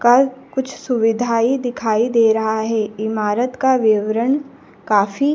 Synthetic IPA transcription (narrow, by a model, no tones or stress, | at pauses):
kakʊt͡ʃʰsʊʋɪd̪ʱaːid̪ɪkʰaːid̪eːɾɐɦaɦɛːɪmaːɾət̪kaʋɪʋɾəɳ | kaːfi